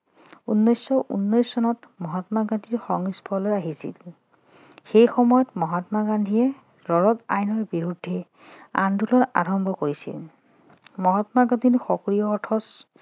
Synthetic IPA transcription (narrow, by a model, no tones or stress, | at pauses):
unːɔjsɔʔṵnːɔjsːɔnɔtmɔɦɔtmaɡandʱiɹxɔŋisbʰʱɔlojaɦisḭl | xejxɔmɔjɔtmɔɦatmaɡandʱiɛ | ɹɔɹɔta̰jnɔɹbiɹudʱːɛ | a̰ndʱulɔɹa̰ɹɔmbʱɔkoɹisḭl | mɔɦɔtmaɡadʱiɹxɔkɹijɔːtʰɔs